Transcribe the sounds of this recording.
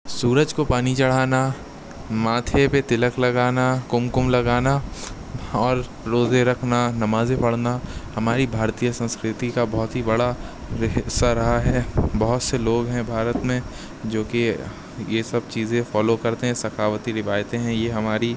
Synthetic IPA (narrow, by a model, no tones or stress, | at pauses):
suːɾəd͡ʒkopaːnit͡ʃɐɽ̤aːna | maːt̪ʰepet̪ɪləklɐɡaːnakʊmkʊmlɐɡaːna | ɔːɾ | ɾoːzeɾɐkʰnanɐmaːzẽpɐɽnahɐmaːɾibʱaːɾt̪ijəsɐ̃nskɾɪt̪ikabɔɦʊt̪ɦibɐɽa | ɾɪɦsaɾɐɦaɦɛbɐɦʊt̪seloːɡɦɛ̃bʱaːɾət̪mẽ | d͡ʒoːke | jesɐb̚t͡ʃiːzẽfɔːlokɐɾt̪eɦɛ̃sɐkʰaːwət̪iɾɪʋaːjt̪ẽɦɛ̃jeɦɐmaːɾi